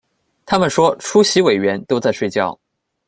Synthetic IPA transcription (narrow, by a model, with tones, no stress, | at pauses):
t̪ʰa˥mə˨nʂwɔ˥ʈ͡ʂʰu˥ɕi˧˥we˨˩ɪɥɛ˧˥nt̪o˥ʊt͡sa˥˧ɪʂwe˥˧ɪt͡ɕjɑ˥˩ʊ